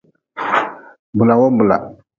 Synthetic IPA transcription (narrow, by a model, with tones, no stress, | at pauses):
mbu˨la˨wo˦mbu˨la̰˨